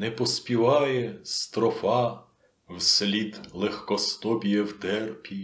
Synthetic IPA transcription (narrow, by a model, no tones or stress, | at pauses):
nɛpɔsʲpʲiʋɑjɛst̪ɾɔfɑ | wslʲid̪lˠɛxkɔst̪ɔbʲijɛwt̪ɛrpʲi